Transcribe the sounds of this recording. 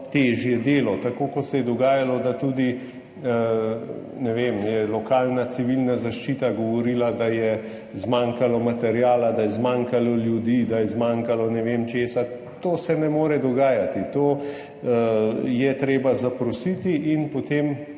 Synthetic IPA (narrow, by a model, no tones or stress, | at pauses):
t̪eːʒjɛd̪eːlɔt̪akoːkɔt̪sɛjɛd̪ɔɡaːjalɔd̪at̪uːd̪i | nɛʋemjɛlɔkaːlnat͡ssiʋilnazaʃt͡ʃit̪aɡɔʋɔɾiːlad̪ajɛ | zmaŋkalɔmat̪ɛɾjaːlad̪ajɛzmaŋkalɔljud̪iːd̪ajɛzmaŋkalɔnɛʋemt͡ʃeːsa | t̪oːsɛnɛmoːɾɛd̪ɔɡaːjat̪it̪oː | jɛt̪ɾeːbazapɾɔsit̪iinpot̪em